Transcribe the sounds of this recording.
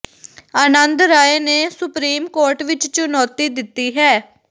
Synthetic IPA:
əːnə̃nd̪ɾaːeːneːsʊpɾiːmkoːɾʈʋɪt͡ʃt͡ʃʊnɔːt̪iːd̪ɪt̪ːiːɦɛː

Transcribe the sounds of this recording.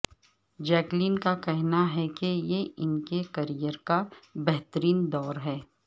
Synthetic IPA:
d͡ʒɛːkliːnkakɛɦnaɦɛkejeɪnkekɐɾijəɾkabɛɦt̪əɾiːnd̪ɔːɾɦɛː

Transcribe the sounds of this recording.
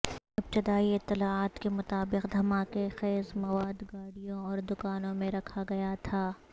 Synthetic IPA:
ɐb̚t͡ʃɪd̪aːiɪt̪ːɪlaːaːt̪kemʊt̪aːbɪqd̪ʱɐmaːkexɛːzmɐwaːd̪ɡaːɽijõɔːɾd̪ʊkaːnõmẽɾɐkʰaɡɐjat̪ʰaː

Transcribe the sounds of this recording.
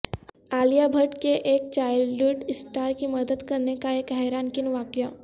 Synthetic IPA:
aːlijabʱəʈkeʔeːk̚t͡ʃaːɪʊɖɪsʈaːɾkiməd̪əd̪kɐɾnekaeːkɦɛːɾaːnkɪnʋaːkja

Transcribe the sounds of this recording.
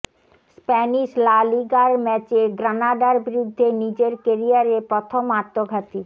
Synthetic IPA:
spɛniʃlaliɡaɾmɛt͡ɕeɡɾanaɖaɾbiɾud̪ʱːenid͡ʑeɾkeɾiaɾepɾɔt̪ʰomaɾt̪ːoɡʱat̪i

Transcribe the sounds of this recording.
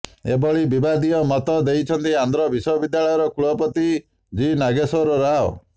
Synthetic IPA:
ḛbɔɭibibad̪iɔmɔt̪ɔd̪eit͡ʃʰɔnt̪iand̪ʱɾɔbisɔbid̪jaɭɔjɔɾɔkʰuɭɔpɔt̪i | d͡ʒinaɡesɔɾɔɾaɦɔ̰

